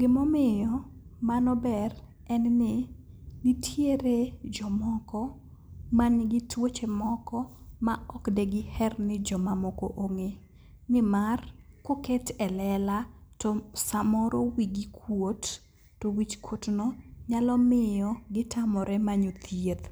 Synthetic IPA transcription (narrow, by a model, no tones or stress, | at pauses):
ɡɪmɔmɪjɔmanɔbɛr | ɛnnɪ | nɪtʰjeɾed͡ʒɔmɔkɔ | manɡɪtwot͡ʃemɔkɔmaɔkdɛɡɪhɛrnɪd͡ʒɔmamɔko̰ʔoŋe | nɪmarkoketɛlɛlatɔsamɔɾowiɡikʰwot | towit͡ʃkotnɔɲalɔmɪjɔɡɪtamɔɾɛmaɲot̪jet̪